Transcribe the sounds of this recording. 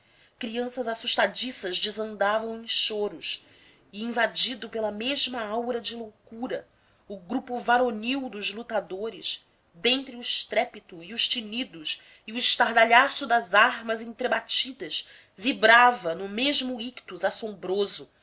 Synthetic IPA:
kɾiɐ̃sɐzasuʃt̪ad͡ʒisɐzd͡ʒɪzɐ̃nd̪avɐ̃w̃ẽʃoɾʊʃ | ɪĩvad͡ʒid̪ʊpelɐmeʒmɐawɾɐd͡ʒɪlowkuɾɐ | ʊɡɾupʊvaɾoniwd̪ʊzlut̪ad̪oɾɪ̰ʃ | d̪ẽnt̪ɾɪʊɪʃt̪ɾɛpit̪ʊiʊʃt͡ʃinid̪ʊʃ | ɪʊɪʃt̪aɾd̪aʎasʊd̪ɐzaɾmɐzẽnt̪ɾebat͡ʃid̪ɐʃ | vibɾavɐnʊmeʒmʊikt̪uzasõmbɾozʊ

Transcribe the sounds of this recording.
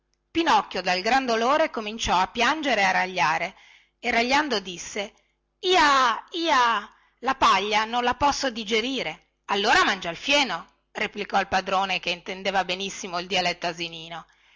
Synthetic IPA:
pinɔkːjod̪alɡɾand̪oloːɾekomint͡ʃɔapːjand͡ʒeɾearːaʎːaːɾe | erːaʎːand̪od̪isːe | iːaiːa | lapaʎːanonlapɔsːod̪id͡ʒeɾiːɾe | alːoːɾamand͡ʒailfjɛːno | replikɔilpad̪ɾoːnekeint̪end̪eːvabenisːimoild̪ialɛt̪ːaziniːno

